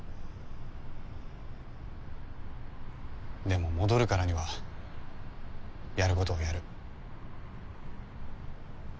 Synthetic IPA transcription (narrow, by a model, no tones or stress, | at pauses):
d̪e̞mo̞mo̞d̪o̞ɾɯ̟kaɾaɲ̟iβa | jaɾɯ̟ko̞t̪o̞ːjaɾɯ̟